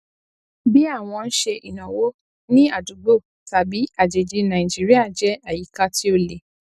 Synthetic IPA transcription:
bi˦a˦˨w̃ɔ̃˧n̩˦ʃe˧ʔi˨nã˨wo˨˦ | nĩ˦a˦˨du˨˦ɡ͡bo˦˨ | ta˨bi˨˦a˦˨d͡ʒe˨d͡ʒi˧˦nã˨ĩ˨d͡ʒi˦ɾi˦a˦˨d͡ʒɛ˨˦a˨ji˨˦ka˧ti˦o˧le˨

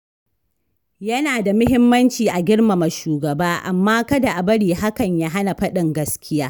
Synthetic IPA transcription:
jɐ˦naː˨da˨mʊ˦ɦɪ˦mːɐ˦nt͡ʃiː˨ʔa˨ɡʲɪ˦ɽma˨ma˨ʃuː˨ɡɐ˨baː˦ʔa̰˨mːaː˦kɐ˦da˨ʔa˨bɐ˦ɽiː˨ɦa˦kɐ˨ɲja˦ɦa˦na˨ɸɐ˦ɗɪ˨ŋɡɐ˦skʲɪ˦jaː˦

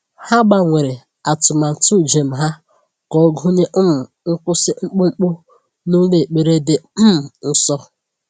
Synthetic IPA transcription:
ha˦ɡ͡ba˨ŋʷe˨ɾe˨ | a˨tʊ˨ma˨n̩˨tu˦˨d͡ʒe˨m̩˨ɦa˦ | kɔ˨˦ɡu˦ɲe˦ʔ̩˦m̩˨ | ŋ̩˦kʷʊ˦sɪ˦ŋ͡m̩˦k͡pu˦ŋ͡m̩˦k͡pʊ˦ | nu˦le˦˨k͡pe˨ɾe˦dɪ˨m̩˦m̩˨n̩˨sɔ˦

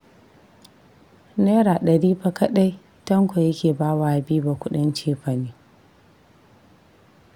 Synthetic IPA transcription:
neː˦ɾaː˨ɗɐ˨ɽiː˦bɐ˦kɐ˦ɗa˦j | tɐ˦ŋkʷo˨jɐ˦kʲeː˨baː˦waː˦˨biː˦ba˨kʷʊ˦ɗɪ˦nt͡ʃeː˦ɸa˨neː˦

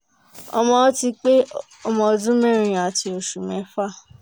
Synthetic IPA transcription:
ɔ̰˧mɔ̃˧ɔ˦ti˧k͡pe˦ | ɔ˧mɔ̃˧o˧dũ˦mɛ̃˦˨ɾ̃ĩ˨a˨ti˧˦o˨ʃu˨mɛ̃˨˦fa˦˨

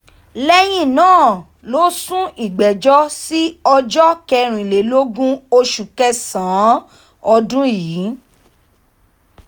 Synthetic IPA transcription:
lɛ˦j̃ĩ˦˨nãː˦˨ | lo˨˦sũ˦ʔi˨ɡ͡bɛ˨d͡ʒɔ˦si˦ɔ˧d͡ʒɔ˦kɛ˧ɾ̃ĩ˨le˨˦lo˦ɡũ˦o˧ʃu˨kɛ˧sã˨˦ | ɔ˧dũ˦jiː˨˦

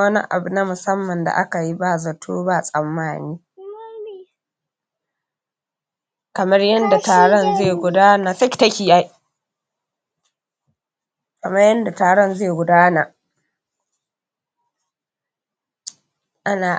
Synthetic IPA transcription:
ɐ˦nḭ˦ʔa̰˨bu˨na˦mʊ˨sɐ˦mːɐ˨nda̰˨ʔa˦ka˨ji˦ba˦˨zɐ˨tʰo̰ː˦ba˦˨sʼɐ˨mːaː˦niː˦ | kɐ˨mɐ˦rjɐ˦nda˨taː˨ɽɔ˦˨nzeː˦˨ɡʷʊ˨daː˦na˨sɐ˦kʲi̥˨tɐ˦kʲi˨ja˦j | kɐ˨mɐ˦rjɐ˦nda˨taː˨ɽɔ˦nzeː˦˨ɡʷʊ˨daː˦na˨ | ʔa˦naː˨

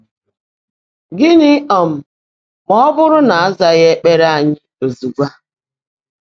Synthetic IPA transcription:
ɡɪ˦nɪ˦ɔ˨m̩˨ | mɔ˦bʊ˦ɾʊ˦na˨a˦za˨ɣe˦k͡pe˦ɾa˦a˨ɲɪ˦o˨zu˨ɡʷa˦

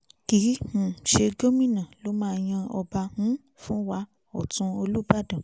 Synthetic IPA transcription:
ki˨˦h̩˨ʃe˧ɡo˦mĩ˦˨nã˨lo˦mãː˦˧˨j̃ã˧ɔ˧ba˧hũ˦ | fũ˦wa˧ | ɔ˨tũ˧o˧lu˦ba˦˨dã˨

